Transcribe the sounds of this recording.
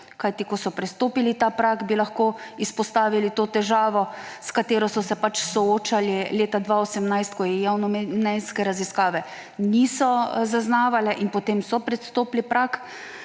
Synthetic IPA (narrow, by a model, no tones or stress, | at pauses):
kajt̪ikɔsɔpɾɛst̪oːpilit̪apɾakbilaxkoːispɔst̪aːʋilit̪oːt̪ɛʒaːʋɔskat̪eːɾɔsɔsɛpat͡ʃsɔoːt͡ʃalileːt̪ad̪ʋaːosɛmnajst̪kɔjɛjawnɔmnɛjskɛɾaziskaːʋɛ | niːsɔzaznaːʋalɛʔinpɔt̪eːmsɔpɾɛst̪oːplipɾak